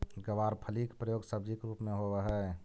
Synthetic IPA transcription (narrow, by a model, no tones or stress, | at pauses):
ɡəʋaːɾpʰəlikpɾəjoːɡsəb̚d͡ʒikɾuːpmẽɦoweɦɛ